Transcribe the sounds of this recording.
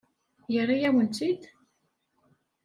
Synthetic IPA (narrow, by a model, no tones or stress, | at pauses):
jərˤːijæwənt͡s̪id̪